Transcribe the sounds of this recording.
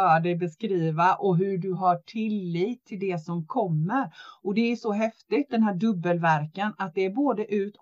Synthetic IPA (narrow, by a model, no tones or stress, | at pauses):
œːɖɛjbɛskɾiːvaʔɔɦɵɖɵɦaʈʰɪlːiːt̪ʰːɪld̪ɛsɔmkʰɔmːəɾɔd̪ɛæʂɔɦɛft̪ɪt̪̚d̪ɛnɦæːɖɵbːəlvæɾkanat̪̚d̪ɛːɾboːd̪əʔʉ̟ːt̪